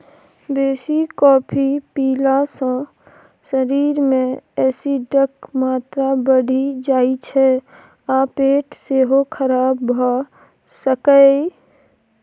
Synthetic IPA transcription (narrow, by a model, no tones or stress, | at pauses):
beːsikɔːpʰipiːlasə̃ | səɾiːɾmẽɛːsiɖəkmaːt̪ɾabəɽ̤ʱid͡ʒaːit͡ʃʰɛ | apeːʈseɦokʰəɾaːbʱɔ | səkə